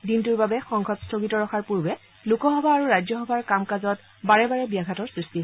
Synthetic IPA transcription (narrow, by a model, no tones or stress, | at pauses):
dintuɹbabɛxɔŋɡʱɔtstʰoɡitɔɹɔxʰaɹpuɹbɛ | lukɔxɔbʱaːɹuɹajzɔxɔbʱaɹkamkazɔt | baɹɛbaɹɛbiaɡʱatɔɹsɹisti